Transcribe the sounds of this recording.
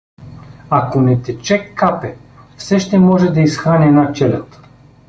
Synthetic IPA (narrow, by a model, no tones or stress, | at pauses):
akonɛt̪ɛt͡ʃɛkːapɛfsɛʃt̪ɛmɔʒɛd̪ɐisxɾanɛːnat͡ʃɛlʲət̪